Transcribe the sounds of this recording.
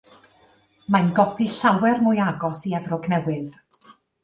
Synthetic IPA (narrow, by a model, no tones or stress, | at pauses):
majnɡɔpʰiɬawɛrmʊjaɡɔsiavrɔɡnɛwɨð